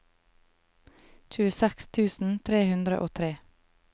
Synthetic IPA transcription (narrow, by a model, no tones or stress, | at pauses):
c͡çʉəsɛkst̪ʰʉːsn̩t̪ʰɾeːhʉnd̪ɾəʔoːt̪ʰɾeː